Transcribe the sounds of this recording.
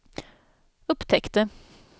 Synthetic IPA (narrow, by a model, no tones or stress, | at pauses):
ʊpt̪ʰɛkt̪ə